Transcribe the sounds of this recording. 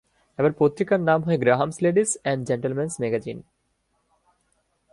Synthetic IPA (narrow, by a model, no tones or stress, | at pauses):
ebaɾpot̪ɾikaɾnamɦoeɡɾaɦamsleɖisɛ̃ɳɖ̚d͡ʑeɳʈəlmɛnsmɛɡad͡ʑḭn